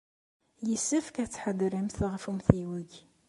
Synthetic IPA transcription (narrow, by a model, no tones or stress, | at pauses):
jəsːəfkæt͡sːħəd̪ɾimθʁfumθiwəʝ